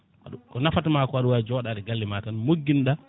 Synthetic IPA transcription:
ʔa̰ɗukɔnafatamakɔaɗuwad͡ʒɔwaɗaɗɛɡalːimatanmoɡːinɗa

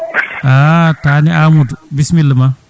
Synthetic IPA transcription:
ataniamutbismilːəma

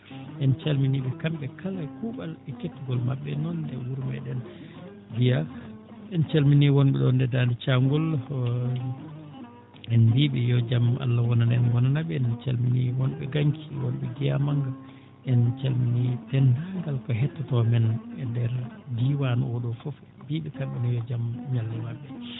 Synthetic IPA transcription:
ʔɛnt͡ʃalminiɓɛkamɓɛkʰalakubalɛketːuɡɔlmaɓːɛnɔndɛwuɾmɛ̰ɗɛn | vija | ɛnt͡ʃalminiwɔnɓɛɗɔndɛdandit͡ʃaŋɡɔl | ɛnbiːɓɛjɔd͡ʒama̰lːawɔnanɛ̰nwɔnanaɓɛnt͡ʃalminiwɔnɓɛɡaŋkʰiwɔ̰nɓɛɡɛja̰maŋɡa | ɛnt͡ʃalminid̥ɛndaŋɡalkɔɦɛtːatɔmɛnɛdɛɾɡiwanɔ̰wɔɗɔfɔf | biɓɛkamɓɛnɛjɔd͡ʒamɲalːɛmabːɛ

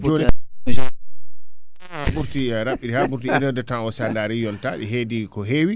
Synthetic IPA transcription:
odɛ | ha̰buɾtiɛɾaɓːidɛhabuɾtiidɛdɛtaɔsanldaɾijɔntaɗḭɦeːdikɔɦeːwi

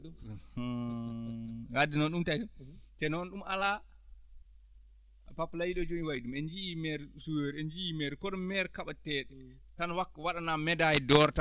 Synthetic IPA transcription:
h | hadinɔnɗumtajtɛnɔnɗumʔala | paplajiɗɔd͡ʒoniwajiɗumɛnd͡ʒiimɛɾsuweɾɛnd͡ʒiimɛɾkɔɗɔmːɛɾkaɓatɛɗɛ | tanwakːwaɗanamɛdajɛdɔɾta

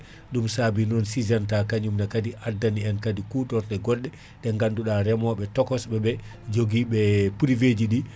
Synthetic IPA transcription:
ɗumsabinɔnsid͡ʒantakaɲumnakadiʔadːaniɛnkadikudɔɾtɛɡɔɗːɛ | ɗɛŋɡanduɗaɾɛmɔɓɛtɔkɔsbɛɓɛ | d͡ʒoɡiɓɛpuɾived͡ʒiɗi

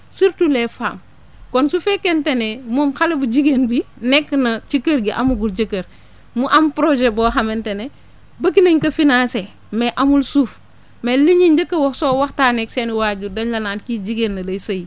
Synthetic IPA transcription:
siɾtulefa̰ːm | kɔnsufekentenemumxalebud͡ʒiɡenbinɛkːnɐt͡ʃikːɐɾɡiʔa̰muɡuld͡ʒəkːɐɾ | muʔampɾoʒebɔːxɐmentene | bɐkinɐɲkɐfinase | meʔɐmulsuf | meliɲind͡ʒɐkːɐwoxsoːwaxtaːnekseniwaːɟudɐnlɐnaːnkiɟiɡenːɐdɐjsɐj

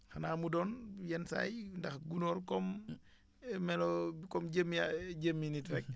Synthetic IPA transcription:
xanaːmudɔːnjɛnsa̰jndɐxɡunɔɾkɔm | mɛlokɔmɟəmiɟəmːinitɾɛk̚

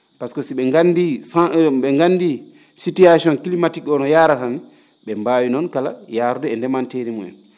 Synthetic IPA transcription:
paskɔsiɓɛŋɡandiaɓɛŋɡandi | sitiasiɔnkilimatikɔnɔjaːɾatan | ɓɛmbawinɔnkala̰jaːɾudɛːndɛmanteɾimɔjɛ̰n

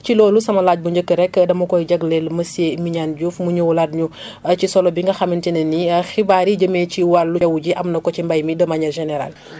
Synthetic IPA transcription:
cilɔːlusɐmɐlaːɟ̚buɲɟəkːəɾɛkːdɐmukɔjɟɐɡlɛlmɐsiemiɲanɟuːfmuɲuwuladɲu | ɐcisɔlɔbiŋɡɐxɐmintinɐnixibaːɾiɟəmeciwaɾluɐwuɟiʔɐmnɐkɔcimbajmidɐmaɲɐʒenɛɾa̰l

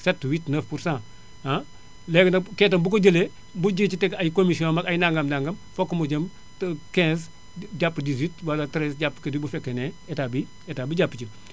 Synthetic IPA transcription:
setːwitnəfpuɾsã | ã | lɛknɐkketɐmbukoɟəle | buɟit͡ʃitekajkomisiõmakajinaŋɡamdaŋɡɐmfokːmuɟɐm | kɛ̃ːs | ɟapːdiswitwalatɾesɟapːkɐdibufekːene | etabi | etabiɟapːt͡ʃi

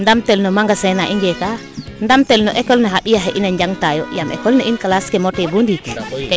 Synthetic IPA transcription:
ndamtɛlnɔmaŋɡasɛnaʔiŋɡɛka | ndamtɛlnɔʔɛkɔlnɔɦaɓijaɦɛʔinaɲd͡ʒaŋtajɔ̰jamɛ̰kɔlnɔʔinkalaskɛmɔtɛbundi

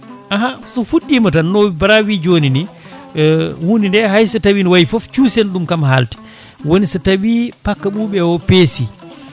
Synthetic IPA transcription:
ʔaɦasɔfuɗːimatanːoibaɾawid͡ʒonini | huːnindɛhajsɔtawinwajfɔft͡ʃuːsɛnɗumkamɦalti̥ | wonisɔtabipakːaɓuːɓɛɔpesi

